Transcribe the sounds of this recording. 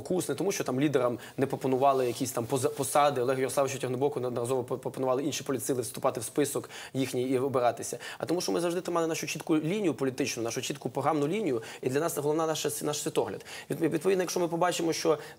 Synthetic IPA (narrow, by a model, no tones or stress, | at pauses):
kusnɪt̪ɔmuʃt͡ʃɔt̪ɑmlʲid̪eɾɐm | nɛpɾɔpɔnʊʋɑlˠɪjɐkʲisʲt̪ɑmpɔpɔsɑd̪ɪɔlˠɛɦɐjɔɾɔslˠaʋɪt͡ʃʊtʲɐɦnʊbɔkʊnd̪ɐɾɐzɔʋɔppɾɔpɔnʊʋɑlˠɪinʃipɔlʲit̪sɪlˠɪwst̪ʊpɑt̪ɪwspɪsɔk | jixnʲiːɔbeɾɑt̪ɪsʲɐɐ̰t̪ɔmuʃt͡ʃɔmɪzɐʋwʐd̪ɪt̪ɾɪmɑlɪnɑʃʊt͡ʃit̪kʊlʲinʲijʊpɔlʲit̪ɪt͡ʃnʊnɑʃʊt͡ʃʲit̪kʊpɾɔɦɑmnʊlʲinʲijʊid̪lʲɐnɑsɦɔlˠɔʋnɑnaʃɐnɑʃsʲʋʲit̪ɔɦlʲɐ̰d̪ʋʲiʋʲid̪pɔʋʲid̪nɔjɐkʃɔmɪpɔbɑt͡ʃɪmɔʃt͡ʃɔ